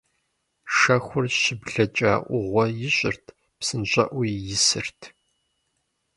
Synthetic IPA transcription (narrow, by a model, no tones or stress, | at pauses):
ʂɐxʷʊrɕɪbɮɐt͡ʃʼa̰ːʔʷʊʁʷɔjɪɕʷʼɪrtʰ | psɨnɕʷʼɐʔʷijjɪsɨrtʰ